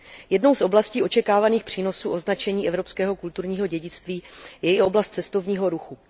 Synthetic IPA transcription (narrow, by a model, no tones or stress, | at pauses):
jɛdno̞wsʔo̞blasciːo̞t͡ʃɛkaːvaniːxpr̝̥iːno̞suːʔo̞znat͡ʃɛɲiːʔɛvɾo̞pskɛːɦo̞kult̪uɾɲiːɦo̞ɟɛɟɪt͡st̪viːjɛɪʔo̞blast̪̚t͡sɛst̪o̞vɲiːɦo̞ɾuxu